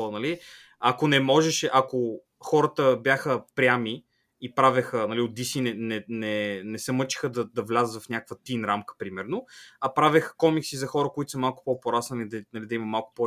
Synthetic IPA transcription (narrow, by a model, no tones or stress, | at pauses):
ɔnɐli | akonɛmɔʒɛʃɛʔɐko | xɔɾət̪əbʲjaxəpɾʲjami | ipɾavʲɛxənɐliod̪isinɛnɛnɛnɛsɛmɤt͡ʃi̥xəd̪ɐd̪ɐvlʲazət̪vɐfnʲakəkvət̪inɾamkə̥pɾimɛɾnoɐpɾavɛxə̥kɔmiksizɐxɔɾəkʊit̪ʊ̥sɐmalˠkʊ̥pɔpoɾasnɐnid̪ɐnɐlid̪ɐimɐmalˠkʊ̥pɔ